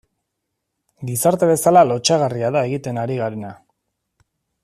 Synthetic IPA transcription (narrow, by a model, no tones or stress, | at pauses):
ɡisaɾt̪e̞βe̞salalo̞t͡ʃaɣ̞ariaðae̞ɣ̞it̪e̞naɾiɣaɾe̞na